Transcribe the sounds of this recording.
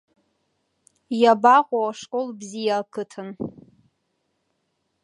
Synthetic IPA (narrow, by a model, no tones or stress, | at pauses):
jabaqʷʼawaʂkʼolbzijakʰɨtʰɨn